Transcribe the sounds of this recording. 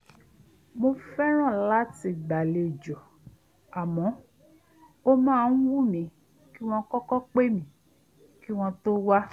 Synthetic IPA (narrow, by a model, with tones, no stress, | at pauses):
mõ˧fɛ˦ɾ̃ɔ̃˦˨la˦ti˨ɡ͡ba˨le˨d͡ʒɔ˨ | a˨mɔ̃˨˦ | o˦mãː˦˨n̩˦wu˦mĩ˨ | ki˦w̃ɔ̃˧kɔ˦kɔ˦k͡pe˦mĩ˨ | ki˦w̃ɔ̃˧t̪o˦wa˦